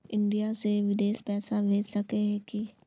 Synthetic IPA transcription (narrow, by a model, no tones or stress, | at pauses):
ɪ̃ɳɖijaseʋɪd̪eːʃpɛːsabʱeːd͡ʒsɐkeɦɛ̃ki